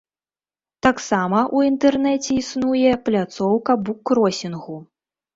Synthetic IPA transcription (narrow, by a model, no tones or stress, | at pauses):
t̪aksamɐʔuint̪ɛrnɛt͡sʲɛisnujɛplʲat̪sɔwkɐbukrɔsʲinɣu